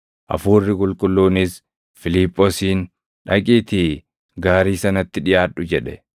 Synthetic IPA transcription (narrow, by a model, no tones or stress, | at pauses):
ʔɐ̰fuːrːɪkʼʊlkʼʊlːuːnɪs | fɪlɪpʼːɔsiːn | ᶑɐkʼiːt̪i | ɡaːɾiːsɐnɐt̪ːɪᶑɪjaːᶑːʊd͡ʒɛᶑɛ